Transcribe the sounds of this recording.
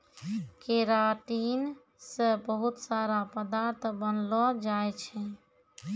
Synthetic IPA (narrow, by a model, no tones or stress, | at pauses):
keɾaʈin | səbəɦut̪saɾapəd̪aɾt̪ʰbənlɔd͡ʒajt͡ʃʰɛ